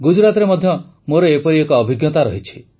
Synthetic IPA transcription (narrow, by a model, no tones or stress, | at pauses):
ɡud͡ʒɾat̪ɔɾemɔd̪ʱjɔ | moɾɔepɔɾiekɔːbʱiɡjɔt̪aɾɔ̰ɦit͡ʃʰi̥